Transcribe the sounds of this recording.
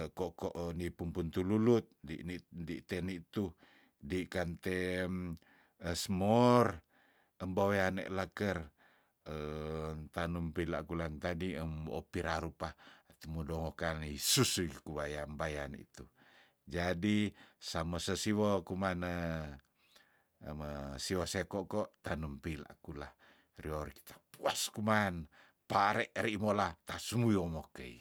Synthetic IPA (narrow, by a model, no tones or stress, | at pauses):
kɔkɔʔnipumpunt̪ululut̪̚diʔndḭʔt̪enit̪u | dikant̪e | əsmɔr | əmbaweanḛʔlakər | ənt̪anumpila̰ʔkulant̪adiəmo̰piɾaɾupat̪umudɔŋɔkanisusuikuβajambajanḭt̪u | d͡ʒadisamasəsiwokumanə | məsiwosekɔʔkɔʔt̪anumpila̰ʔkula | rioɾki̥t̪ḁpuaskuman | paɾeʔɾiʔmolat̪asumujomokəḭ